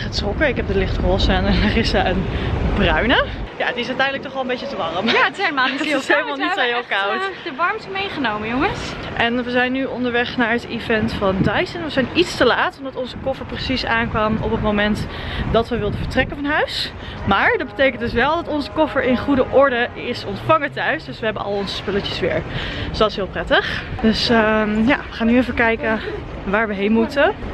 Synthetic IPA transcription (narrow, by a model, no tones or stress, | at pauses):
χətrɔkəɪkɦɛp̚dəlɪχtχəɔsənɛnərɪsəənbrœɥnəjaətɪsœɥtɛjndlək̚tɔχʋɔlˠəmbejcətəʋɑrəmjamaɪselmalˠnisoɦelˠkawtdəʋɑɹmtəmejχənowməjoŋəsʔɛnʋəzɛjnːyɔndəɹʋɛχnaːɹɦətivɛntfɑndɑjsənʋəzɛjnitstəlaːtɔmdɑtɔnzəkɔfəɹprəsisaːnkʋɑmɔ̰pətmowmɛntdɑtʋəʋɪlˠdəvəɹtrɛkənfɑnɦœɥs | maːɹdɑd̚bətejkəntdʏs̬ʋɛlˠdɑtɔnzəkɔfəɹɪnχudəʔɔɹdəɪsɔntfɑŋətœɥsdɵsʋəɦɛbənɑ̰lˠɔnzə̥spɵləəsʋɪ̰ːɹsdɑtɪ̥sɦɪːlˠprɛtəχd̥ɵsja̰ːʋəχaːnyevəkɛjkə | ʋaːɹʋəɦejnmutə